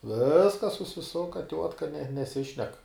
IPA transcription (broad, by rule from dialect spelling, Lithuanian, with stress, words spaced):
ˈʋʲɪskɐs sʊsʲɪˈsʊkɐ ˈtʲuɔtkɐ nʲɛ nʲɛˈsʲɪʃʲnʲɛk